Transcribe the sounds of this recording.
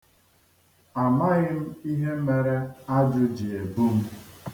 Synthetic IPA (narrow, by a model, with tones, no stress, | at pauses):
a˨ma˦ɣɪ˦m̩˦i˦ɦe˦m̩˦me˨ɾe˦a˦dʊ˦d͡ʒɪ˨e˨bu˦m̩˦